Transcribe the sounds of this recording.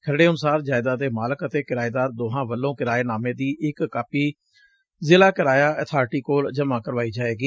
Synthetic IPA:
kʰəɾɽeːənʊsaːɾd͡ʒaːɪd̪aːd̪eːmaːləkət̪eːkɪɾaːeːd̪aːɾd̪oːɦãːʋəlːõːkɪɾaːeːnaːmẽːd̪iːʔɪkːaːpiː | zɪlaːkɪɾaːjaːət̪ʰaːɾʈiːkoːld͡ʒəmãːkəɾʋaːiːd͡ʒaːeːɡiː

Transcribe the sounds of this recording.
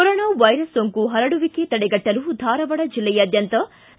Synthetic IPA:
koɾoːnaːʋɐjɾɐsːoŋkuɦɐɾɐɽuʋiket̪ɐɽeɡɐʈːɐlud̪ʱaːɾɐʋɐɽɐd͡ʒilːɛjɐːd̪jɐnt̪ɐ

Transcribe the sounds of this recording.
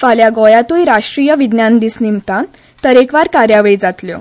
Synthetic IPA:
faljaɡɔjat̪ujɾaʂʈɾijəʋid̪njãnd̪isnimt̪an | t̪əɾekʋaɾkaɾjaʋɭiːd͡zat̪ljo̰

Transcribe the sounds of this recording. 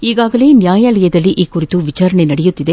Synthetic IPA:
iːɣaːɣɐleːnɪjaːjɐɭɐjɐðɐliʔɪkːʊrɪt̪ːuʋɪt͡ʃaːɾɐɳenɐɽɛjɯt̪ːɪðe

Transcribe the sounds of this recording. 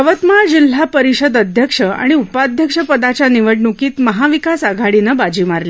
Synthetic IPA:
əʋət̪mad͡ʑil̤ːapəɾiɕəd̪əd̪ʱjəkʂəa̰ɽ̃iupad̪ʱjəkʂəpəd̪at͡ɕaniʋəʈnukiːt̪məɦaʋikasaɡʱaɽinəbad͡ʑiːmaɾle

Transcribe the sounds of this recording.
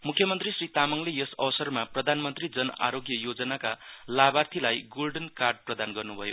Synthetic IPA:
mukʰjʌmʌnt̪risrit̪amʌŋlejʌsʌsʌrmaprʌd̪ʱanmʌnt̪rid͡zʌna̰ɾoɡjʌjod͡zʌnakalabart̪ʰilajɡolɖʌnkarɖ̚prʌd̪anɡʌrnubʱʌjo

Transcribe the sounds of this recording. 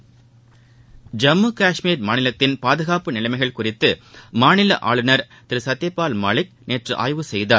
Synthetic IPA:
d͡ʒɐmːuːkaːʂmiːɾmaːnɪlɐt̪ːɪnpaːðɯɣaːpɯnɪlɐɪmɐɪɣɐɭkʊrɪt̪ːɯmaːnɪlɐ̰ʔa̰ːɭɯnɐɾ | t̪ɪɾɯsɐt̪ːɛpːaːlma̰ːɭɪk̚neːʈrɯʔa̰ːjʋɯsɛjðaːɾ

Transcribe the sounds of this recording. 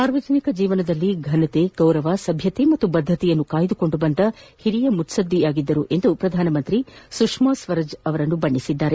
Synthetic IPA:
saːɾʋɐd͡ʒɐnikɐd͡ʒiːʋɐnɐd̪ɐlːiɡʱɐnɐt̪eɡ̥ɐwɾɐʋasɐbʱjɐt̪emɐt̪ːubɐd̪ʱːɐt̪ijɐnːukaːjɐd̪uko̞ɳɖubɐnd̪ɐhiɾijɐmut̪sɐd̪ʱːijaːɡid̪ːɐɾuʔe̞nd̪upɾɐd̪ʱaːnɐmɐnt̪ɾisukʂmaːsʋɐɾɐd͡ʒɐʋɐɾɐnːubɐɳːisid̪ːaːɾe

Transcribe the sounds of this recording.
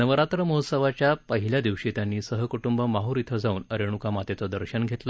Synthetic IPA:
nəʋəɾat̪ɾəməɦosəʋat͡ɕjapəɦiljad̪iʋɕit̪janːiːsəɦəkuʈumbəmaɦoɾit̪ʰəd͡zauːnəɾeɽ̃ukamat̪et͡səd̪əɾɕənɡʱet̪lə

